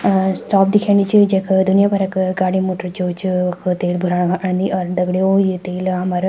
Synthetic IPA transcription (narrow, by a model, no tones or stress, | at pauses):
sʈaːp̚d̪ikʰjaːɳɖit͡ʃɨd͡ʒekʰd̪unijaːpɐɾɐkɡaːɽimoːʈɐɾt͡ʃoːt͡ʃɨɐkʰɨt̪eːlbʱuɾaːɳɡaʔɐɳnd̪iʔɔɾd̪ɐɡɽeoːjit̪eːlɦɐmaɾ